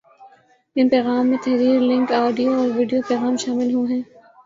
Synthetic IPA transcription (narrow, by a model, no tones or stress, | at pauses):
ɪ̃npɛːɣaːmːet̪ʰɛɦɾiːɾlɪ̃ŋkɔːɖijoɔːɾʋiɖijopɛːɣaːmʃaːmɪlɦũɦɛ̃ː